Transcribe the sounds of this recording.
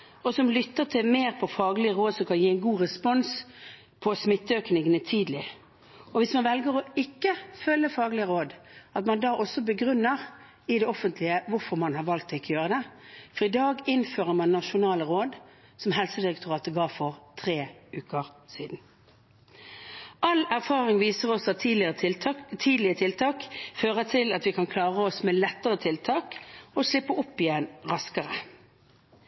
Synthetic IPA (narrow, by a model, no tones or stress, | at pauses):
ɔsɔmlʏt̪ːəʁt̪ʰɪlmeːʁpʰɔfɑːɡlɪəʁoːd̪sɔmkʰɑnjiːæɪnɡuːʁɛspɔns | pʰɔsmɪt̪ːəøːknɪŋənət̪ʰiːd̪lɪ | ɔʋɪsmɑnʋɛlɡəʁɔɪkːəfœlːəfɑːɡlɪəʁoːd̪ɑt̪mɑnd̪ɑːʔɔsːɔbəɡʁʉnːəʁ | ɪd̪ɛɔfənt̪ʰlɪəʋʊɾfɔɾmɑnhɑɾʋɑlk̚t̪ːɔɪkːɔjøːʁəd̪ɛfɔʁɪd̪ɑːɡɪnføːʁəmɑnːɑʂʊnɑːləʁoːd̪ | sɔmɦɛlsəd̪ɪʁɛkt̪ʰʊʁɑːt̪əɡɑːʋfɔʁt̪ʰʁeːʉːkəʁsiːd̪n̩ | ʔɑlæʁfɑːʁɪŋʋiːsəʁɔsɔɑtʰːlɪt̪ʰiːd̪lɪət̪ʰɪlt̪ʰɑːkføːʁət̪ʰɪlɑt̪ʋɪkʰɑnkʰlɑːʁəɔsmɛːlɛt̪ːəʁət̪ʰɪlt̪ʰɑːkɔʂlɪpːəʊpːɪjɛnʁɑskəʁə